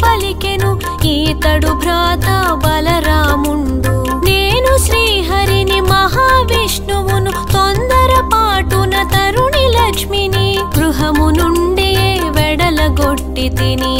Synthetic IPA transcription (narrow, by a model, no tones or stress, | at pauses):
pɐlikenu | iːt̪ɐɽubʱɾaːt̪aːʋɐlɐɾaːmuɳɖu | neːnuʃɾiːɦɐɾinimɐɦaːʋiʂɳuʋunut̪ond̪ɐɾɐpaːʈunɐt̪ɐɾuɳilɐkʂminiɡɾuɦɐmunuɳɖijeː | ʋɛɽɐlɐɡoʈːid̪ini